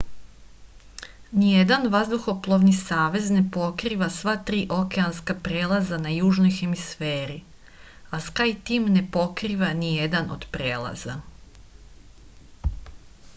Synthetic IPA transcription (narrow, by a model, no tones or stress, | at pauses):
nije̞d̪anʋazd̪uxo̞plˠoʋnisaːʋe̞zne̞po̞kɾiːʋasʋat̪ɾiːʔo̞keanskapɾeːlˠazanajuːʒnojxe̞misfeːɾi | askajt̪iːmne̞po̞kɾiːʋanije̞d̪ano̰d̪̥pɾeːlˠa̰z̥a̰